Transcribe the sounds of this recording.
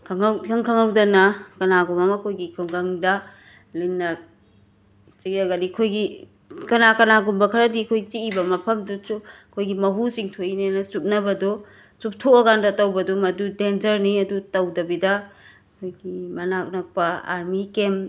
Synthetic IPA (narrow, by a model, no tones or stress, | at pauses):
kʰaŋawkʰɐŋkʰɐŋawdɐnɐkɐnaɡumɐmɐkʰojɡikʰɯŋɡaŋdɐ | linːɐ | t͡ʃiɐɡadikʰojɡi | kɐnakɐnaɡumbɐkʰɐɾɐdikʰojt͡ʃiːbɐmɐpʰɐmdusu | kʰojɡimɐɦusiŋtʰoinenɐsup̚nɐbɐdɔ | sup̚tʰoɐɡandɐtɐwbɐdɔmɐdudenzɐɾniɐdutɐwdɐbidɐ | kʰojɡimɐnak̚nɐk̚pɐa̰ɾmikem